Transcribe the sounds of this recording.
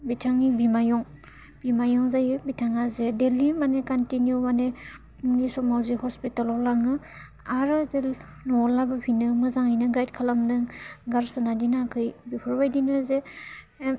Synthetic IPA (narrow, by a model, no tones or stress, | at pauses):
bitʰaŋibimajɔŋ | b̥imajɔŋzajɯbitʰaŋazedelimanekantinjumane | uŋnisɔmawzihɔspitalɔlaŋɯ | aɾɯzel | nɔlabɯpʰinɯmɯzaŋijnɯɡajt̚kʰalamdɯŋɡaɾsɯnadinakʰɯjbipʰɯɾbajdinɯze